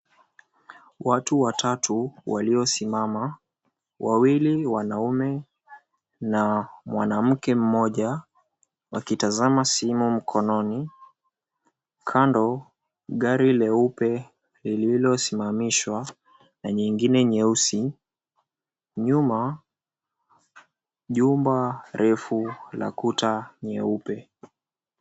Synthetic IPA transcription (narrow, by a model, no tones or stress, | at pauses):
watuwatʰatʰuwaliɔsimama | wʔawiliwanaumɛ | namwanam̩kɛm̩mɔʄa | wakitazamasimum̩kʰɔnɔni | kʰandɔ | ɠaɾilɛupɛ | lililɔsimamiʃwa | naɲiŋɡinɛɲɛusi | ɲuma | ʄumbaɾʔɛfula̰kutaɲɛupɛ